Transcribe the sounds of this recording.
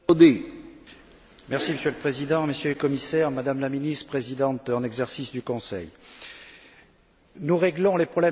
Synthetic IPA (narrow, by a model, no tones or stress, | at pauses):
d̪e | mɛʁsiməsjøləpχezid̪ɑ̃məsjølkɔmisɛʁmad̪amlaminist̪χpχezid̪ɑ̃t̪ɑ̃nɛɡzɛʁsisd̪ykɔ̃sɛ̰j | nuʁeɡlɔ̃lepχɔblɛ